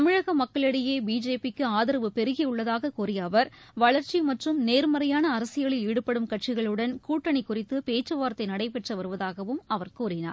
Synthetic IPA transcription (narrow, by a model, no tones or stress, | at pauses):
ɐmɪɻɐɣɐmɐkːɐɭɐɽɪjeːbiːd͡ʒeːpɪkːɯaːðɪɾɐʋɯpɛɾɯɣɪɯɭːɐðaːɣɐkuːrɪjɐʋɐɾʋɐɭɐɾt͡ʃimɐʈrɯmneːɾmɐɾɐjaːnɐːɾɐsɪjɐɭɪliːɽɯpːɐɽɯmkɐʈt͡ʃɪɣɐɭɯɽɐnkuːʈːɐɳikːʊrɪt̪ːɯpeːt͡ʃːɐʋaːɾɐt̪ːɐɪnɐɽɐɪpɛʈrɐʋɐɾɯʋɐðaːɣɐʋɯmɐʋɐɾkuːɾɪna̰ːɾ